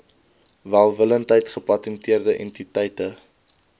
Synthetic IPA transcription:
vælˠvələntɦəjtχəpɐtɛntiərdəʔɛ̰ntitəjtə

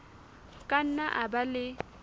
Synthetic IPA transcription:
kʼan̩naʔabalɪ

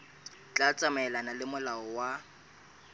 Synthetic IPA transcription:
t͡ɬʼat͡sʼamɛlanalɪmʊlaɔwa

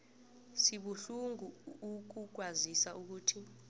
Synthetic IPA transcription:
siɓuɬuŋuːk̬uk̬wazisaʔuk̬uːtʰi

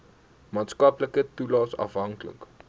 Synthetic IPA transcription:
mɑːtskɐpləkətulɑːsɐ̰fɦɐŋklə̰k

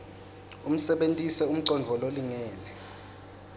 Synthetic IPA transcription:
um̩sɛɓentʼisɛum̩ǀɔnd͡vʱɔloliŋɛːlɛ

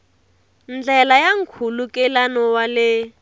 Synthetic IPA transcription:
nd͡ɮɛlajaŋ̩kʰulukʼɛlanɔwalɪ

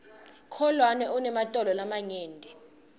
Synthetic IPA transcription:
kʰɔlwanɛunɛmatʼɔlɔlamaɲeːndʱɛ

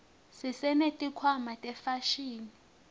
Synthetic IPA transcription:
sisɛnetʼikʰwamatʼɛfaʃiːni

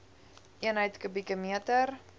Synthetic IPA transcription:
ʔiənɦəjtkəbikəmiətər

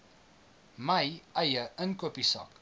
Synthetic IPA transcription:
mɐjʔɐjəʔənkupisɐ̰k

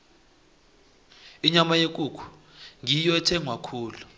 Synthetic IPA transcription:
iɲamajek̬ʼukʰu̥ | ŋijɔɛtʰɛŋʱwakʰuːlu

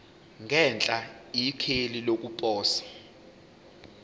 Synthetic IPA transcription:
ŋʱɛnt͡ɬʼaikʰelilok̬ʼupʼɔːsḁ

